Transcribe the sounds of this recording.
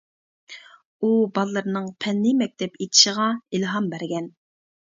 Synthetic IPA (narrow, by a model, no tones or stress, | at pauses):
ubɑlˠːɨɾnɨŋpʰɛnːɨmɛk̚ʲt̪ʰɛpʰet̪ʰɪ̥ʃəʁɑilɦɑmbæɾɡʲɛn